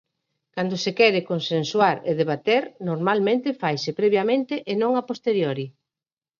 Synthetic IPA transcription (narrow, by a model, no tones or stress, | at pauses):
kand̪osekɛɾɪkonsenswaɾḛðeβ̞at̪eɾnoɾmalmẽnt̪ɪfajsɪpɾɛβjamẽnt̪eʔenõŋapost̪eɾjoɾi